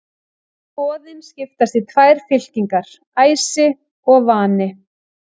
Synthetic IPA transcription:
pɔːðɪnscɪft̪ast̪it̪ʰvaːjɾ̥fɪl̥ciŋkaɾ̥ | aːjsɪ | ɔɣvaːnɪ

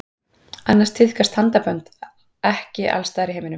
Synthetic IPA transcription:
anːarst̪ʰɪðkʰast̪hant̪apœnt̪ | ɛhcɪʔa̰lst̪aːjɾɪɦeːjmɪnʏm

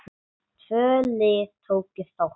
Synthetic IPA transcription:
t̪ʰvœːlɪt̪ʰowkːɪst̪aw

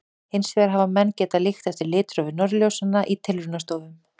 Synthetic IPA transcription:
ɪjnsvɛɣɾ̥ɦavamɛnːcɛːt̪alɪxt̪θɛft̪ɪɾlɪːt̪ɾɔvɪnɔɾljowsanːaʔit̪ʰɪlɾʏnast̪oːwvʏm

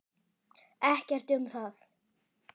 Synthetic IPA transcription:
ɛhcɛr̥t̪ʏmθaθ

